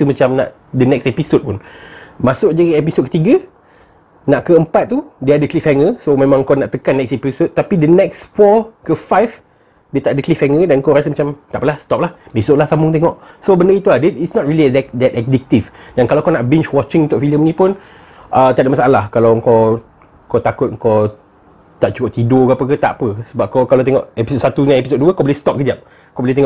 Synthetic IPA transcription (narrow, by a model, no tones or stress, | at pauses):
əmat͡ʃamna̰ʔ | dənɛksɛpisod̚pʊnmasʊʔ̚d͡ʒaɡiɛp̬isod̚kə̥t̪iɡə | naʔkəəmpat̪̚ːudiəadəklifɛŋəsomẽmãŋkawnaʔt̪əkanːɛksɛpisot̪̚t̪apidənɛksfɔkəfajf | diət̪aʔdəklifɛŋədankoɾasəmat͡ʃamt̪aʔpəlahst̪ɔp̚lahbesoʔlaht̪amʊŋt̪eŋɔʔsobəndəit̪uladɛtitsnɔt̚ɹilidɛdɛtɛk̚dik̚t̪ifdankalakɔnaʔbĩnt͡ʃwɔt͡ʃɪ̃ŋnt̪ʊʔfiləmnĩpʊn | ʔət̪aʔdəʔmasaʔalahkalawŋkɔ | kɔt̪akʊt̚ŋ̩kɔ | t̪aʔ̚t͡ʃukɔʔt̪idokapəkət̪a̰ʔpəsəbap̚kɔkalat̪ɛŋɔʔɛpisot̚sat̪unãnɛpisod̚duəkɔbəlist̪ɔp̚kəd͡ʒap̚ | kɔbolit̪ɛŋɔʔ